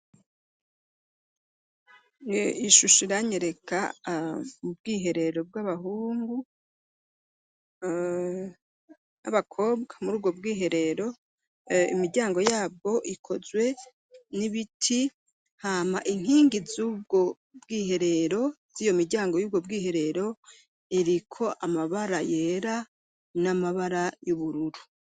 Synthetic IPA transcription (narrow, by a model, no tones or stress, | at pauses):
iʃuʃiɾaɲeɾe̞ka̰ | ub̚ɡiːɦe̞ɾe̞ɾo̞b̚ɡaβahuːŋɡu | a̰βakʰo̞ːbɡḁmuɾuːb̚ɡo̞bɡiːɦe̞ɾe̞ɾo̞ | ḭmiɾɟaːŋɡo̞jaːb̚ɡo̞ʔikʰo̞zwe̞ | niβitʰi | hamaʔiŋ̥hiːŋɡizuːb̚ɡo̞ | bɡiːɦe̞ɾe̞ɾo̞ | z̥ijomiɾɟaːŋɡo̞juːbɡo̞bɡiːhe̞ɾe̞ɾo̞ | iɾikʰo̞ʔamaβaɾaje̞ːɾa | namaβaɾajuβuɾuɾu̥